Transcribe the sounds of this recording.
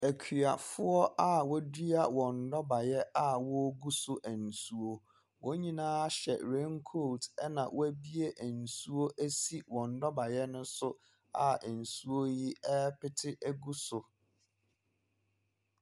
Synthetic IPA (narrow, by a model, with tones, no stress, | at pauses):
æ˨kʰɥa˨fʊ˦ɔ˦ʔa˦wɔ˦di˦a˦˨wɔ̃˨n̩˨dɔ˦ba˨jɛ˦a˦wɔ˦ɡu˦sʊ˨ʔæ˨n̩˨su˦o˦ | wʔɔ˦ɲĩ˦nãː˦ɕɛ̰˨ɾẽ˦ŋkʰo˦˨ltɛ˦nã˨wɔ˦æ˦bi˦e˦ʔæ˨n̩˨su˦o˦ʔæ˦si˦wɔ̃˨n̩˨dɔ˦ba˨jɛ˦nʊ̃˦sʊ˦ | a˨n̩˨su˦o˦ji˦ɛ˦pɪ˦tʰɪ˦ʔæ˦ɡu˦sʊ˨